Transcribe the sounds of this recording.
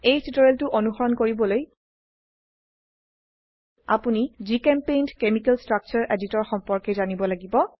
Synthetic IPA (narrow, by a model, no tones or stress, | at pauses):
ejtʰitɔɹeltʊʔonuxɔɹɔnkoɹibɔloj | a̰punizikɛmpejndkemikɛlstɹak̚t͡ʃɔɹʔeditɔɹxɔmpɔɹkɛzanibɔlaɡibɔ